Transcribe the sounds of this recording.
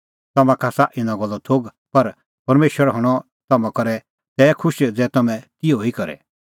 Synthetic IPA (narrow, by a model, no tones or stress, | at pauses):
t̪ɐmãkʰaːsaʔɪnãɡɔlːɔt̪ʰoːɡ | pɐɾ | pɐɾmeːʃʋəɾɦɔɽ̃ɔ | t̪ɐmãkɔɾɛ | t̪ɛːkʰʊʃd͡zɛːt̪ɐmɛ̃t̪ioikɐɾɛ̰